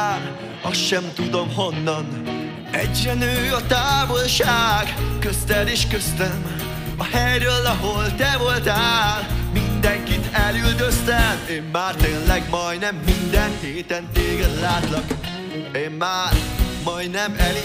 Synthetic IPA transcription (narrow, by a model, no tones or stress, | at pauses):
ɒsʃɛmt̪ud̪o̞mɦo̞nːɒn | ɛɟrɛnøːɒt̪aːvo̞lʃaːɡkøst̪ɛleːʃkøst̪ɛm | ɒhɛjɾølːɒɦo̞lt̪ɛvo̞lt̪aːlmind̪ɛŋkit̪ɛlyld̪øst̪ɛmeːmːaːrt̪eːnlɛɡmɒjnɛmːind̪ɛnheːt̪ɛnt̪eːɡɛd̪laːt̪lɒk | eːmmaːɾmɒj̪nɛmɛl